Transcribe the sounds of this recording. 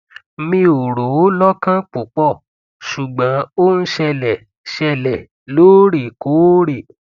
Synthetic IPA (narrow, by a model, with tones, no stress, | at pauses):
mĩ˧o˨ɾo˨˦lɔ˦kã˦k͡po˨k͡pɔ˦˨ | ʃu˨ɡ͡bã˨˦o˦n̩˦ʃɛ˧lɛ˨ | ʃɛ˧lɛ˨ | loː˦ɾi˨ko˨˦ɾi˦˨